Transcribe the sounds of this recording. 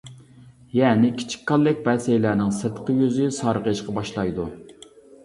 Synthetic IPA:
jɛːnɪkʲʰi̥t͡ʃʰi̥kʲkʰːɑlˠːɪk̚ʲbɛsejlæːnɪŋsɨɾt̪ʰqʰəjyzɪsɑɾəʁəʃqʰɑbɑʃlˠɑjd̪u

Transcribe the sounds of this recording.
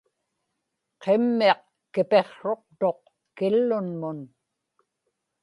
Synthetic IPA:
qemːeɑq | kɪpe̞χʂo̞q̚t̪o̞q | kɪlːʊnmʊn

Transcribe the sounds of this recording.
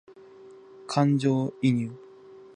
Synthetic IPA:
kʰand͡ʑoiɲu

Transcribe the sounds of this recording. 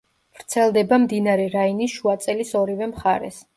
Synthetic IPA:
v̥ɾt̪sʰɛlˠd̪ɛbamd̪inaɾɛɾainisʃuat̪sʼɛlisɔɾivɛmχaɾɛ̰s

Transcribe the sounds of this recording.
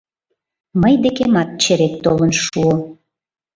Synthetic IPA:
məjd̪ekemɑt̪̚t͡ɕeɾek̚t̪olənʃuo

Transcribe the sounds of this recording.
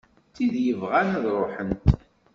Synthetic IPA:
t̪ːiðjəvʁanðɾˤoħənt̪

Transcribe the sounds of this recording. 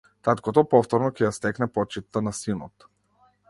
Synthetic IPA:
t̪at̪kɔt̪ɔpɔft̪ɔɾnɔkɛjast̪ɛknɛpɔt͡ʃit̪ːanasinɔt̪

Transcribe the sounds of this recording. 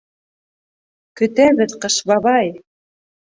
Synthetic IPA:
kɵ̆t̪æβɘ̆ðqɤ̆ʃβɑβɑj

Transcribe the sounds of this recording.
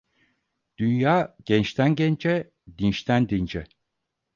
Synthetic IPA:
d̪̥ynjaːɟ̥ɛnt͡ʃt̪ʰænɟɛnd͡ʒɛ | d̪inʃt̪ʰænd̪ind͡ʒɛ

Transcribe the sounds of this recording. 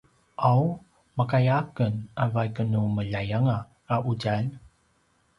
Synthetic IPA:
ʔaw | makajakənavajkənuməʎajaŋaː | ʔuɟal

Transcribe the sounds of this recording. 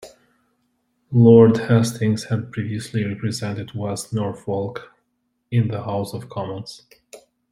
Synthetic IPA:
lɔɹdhɛstʰɪ̃ŋz̥hɨd̚pʰɹ̥iviɨsliɹɛpɹɨzɛ̃ntɨd̚wɛsnɔɹfɔlˠk | ɪ̃nðəhaʊsʌv̥kʰɑmə̃nz̥

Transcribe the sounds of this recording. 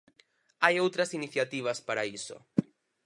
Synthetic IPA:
ajowt̪ɾɐsiniθjat̪iβ̞aspaɾaiso̰

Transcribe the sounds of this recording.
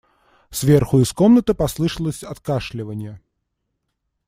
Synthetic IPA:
sʲvʲɛrxʊiskɔmnɐt̪ɨpaslˠɨʂəlˠəsʲɐt̪kaʂlʲɪvɐnʲjə

